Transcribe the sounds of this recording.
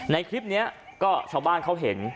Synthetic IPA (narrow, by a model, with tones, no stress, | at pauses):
na˨˧˦jkʰli˦˥p̚ni˦˥ɐkɔː˥˩t͡ɕʰaː˨˩˦wɓaː˧˩nkʰa˧˥wɦe˨˩˦n